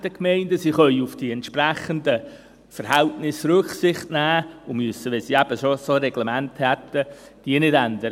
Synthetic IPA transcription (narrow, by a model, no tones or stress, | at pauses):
d̥əkmɛɪndəsiːχœʏufd̥iɛntʃpræχəndə | fəɾɦæltnɪsɾʉχsɪχtnæːʊmyəsəʋɛnsiːæb̥əsosoɾɛɡ̥lɛmænthɛt̪ːəd̥iːənɪdændəɾə